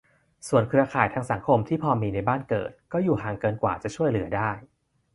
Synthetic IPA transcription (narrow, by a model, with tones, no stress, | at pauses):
su˨˩ənkʰɾɯ˧ɐkʰaː˨˩jt̪ʰaː˧ŋsa˩˦ŋkʰo˧mt̪ʰiː˥˩pʰɔː˧miː˧na˧jbaː˥˩nkɤ̰ː˨˩t̪̚kɔː˥˩juː˨˩ɦaː˨˩ŋkɤː˧nkwa̰ː˨˩t͡ɕa˨˩t͡ɕʰu˥˩əjlɯ˩˦ɐdaː˥˩j